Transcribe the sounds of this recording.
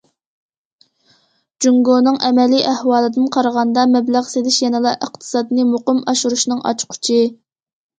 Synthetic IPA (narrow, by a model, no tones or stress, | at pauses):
d͡ʒuŋɡonɨŋʔɛmɛliʔæhwɑːlˠɨd̪ɨnqʰɑɾəʁɑnd̪ɑmɛblæʁselɪʃjɛnɨlˠɑʔəq̚t̪ʰɨ̥sɑːd̪ɨnɨmoqʊmɑʃuɾuʃnɨŋʔɑ̰t͡ʃqʰʊ̥t͡ʃʰɪ